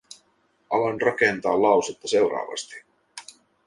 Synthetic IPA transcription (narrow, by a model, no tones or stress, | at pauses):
ʔɑlɑnrɑkent̪ɑːllɑwsut̪ːɑse̞wɾɑ̰ːʋɑ̰st̪i̥